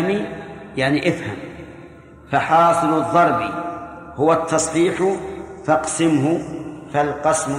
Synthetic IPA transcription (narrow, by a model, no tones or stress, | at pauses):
mijaʕniʔafha̰m | faħɑːsˤɨlʊðˤːɑɾˤbḭhʊwat̪ʰːɑsˤħiːħʊfɑqsɪmhʊfalqɑsm